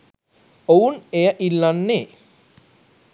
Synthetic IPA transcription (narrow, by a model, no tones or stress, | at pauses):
ounejəʔilːanːeː